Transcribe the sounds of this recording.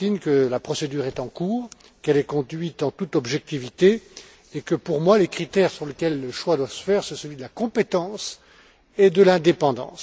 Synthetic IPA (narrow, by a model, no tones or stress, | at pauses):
inkəlapχɔsed̪yːʁɛt̪ɑ̃kuːʁ | kɛlɛkɔ̃d̪ɥit̪ɑ̃t̪ut̪ɔbʒɛk̚t̪ivit̪e | ekəpuʁmwalekχit̪ɛʁsyʁləkʲɛlːəʃwad̪wasə̥fɛʁsɔ̃səlɥid̪əlakɔ̃pet̪ɑ̃s | ed̪əlɛ̃d̪epɑ̃d̪ɑ̰̃ːs